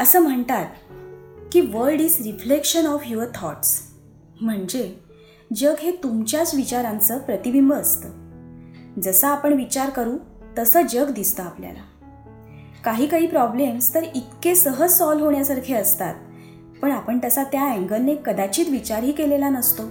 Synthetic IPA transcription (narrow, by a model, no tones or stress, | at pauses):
əsəːm̤əɳt̪at̪̚ | kiːʋəɾɖid͡zɾiflekɕənɔfɦjuət̪ʰɔʈs | m̤əɳd͡ʑe | d͡ʑəɡɦet̪umt͡ɕjat͡sʋit͡ɕaɾãnt͡səpɾət̪ibimbəːst̪ə | d͡zəsəapəɳʋit͡ɕaɾkəɾũ | t̪əsəːd͡ʑəɡd̪ist̪əaplja̰la̰ | kaɦiːkaɦiːpɾɔblemst̪əɾit̪kesəɦəsɔlɦoɳjasaɾkʰeəst̪a̰t̪̚ | pəɳapəɳt̪əsat̪jaæ̃ŋɡənːekəd̪at͡ɕiːt̪ʋit͡ɕaɾɦiːkelelanəst̪o